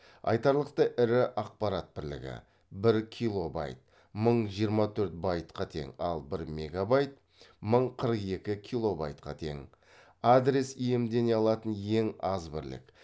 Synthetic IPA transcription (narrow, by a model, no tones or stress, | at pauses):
ɑ̰jt̪ɑɾlˠəqt̪əʔɪɾɪʔɑq̚pɑɾat̪̚bɪɾlɪ̰ɡʲɪ̰ | bɪɾkʲʰijlˠo̞bɑ̰jt̪̚ | məɴʒijəɾmɑt̪ʰɵɾt̪̚bɑjt̪qɑt̪ʰe̞̰ŋɑ̰lˠbɪɾme̞ɡabɑjt̪̚ | məɴqʰəɾəqe̞kʲɪkʲʰijlˠo̞ba̰jt̪qʰɑt̪ʰe̞̰ŋ | ad̪ɾe̞sije̞md̪e̞neɑlˠɑt̪ənje̞ŋɑzbɪɾlɪ̰k